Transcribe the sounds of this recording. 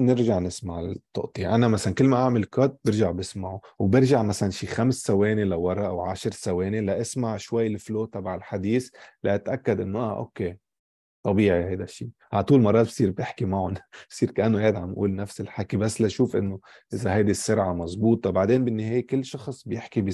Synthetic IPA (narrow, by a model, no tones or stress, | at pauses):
nɪɾʒaʕnɪsmaʕt̪ˤːʊ̰ʔt̪ˤiʔanamasalankɪlːmaʔaʕmɪlkoːd̪̚bɪɾʒaʕbɪsmaʕuwbɪɾʒaʕmasalanʃiːxamsːaweːnelawɑɾˤɑʔawʕaʃɾsaweːnelaʔɪsmaʕʃwajːlfloːʔt̪ˤɑbaʕɪlħad̪iːslaʔat̪ʔakːad̪ʔɪnːoʔa̰ːʔo̰kːeː | t̪ˤɑbiːʕihajd̪aʃːiː | ʕat̪ˤuːlmɑrˤɑːt̪̚bsˤiːɾbjɪħkimaʕʊnbsˤiːɾkaʔanːoeɪd̪ʕamʔṵːlnafsɪlħakibasːlaʃuːfʔɪ̰nːo | ʔɪzaɦajd̪isːʊɾʕamɑzˤbuːt̪ˤɑbaʕd̪eːnbɪnːɪɦeːjekɪlːʃɑxsˤbjɪħkibi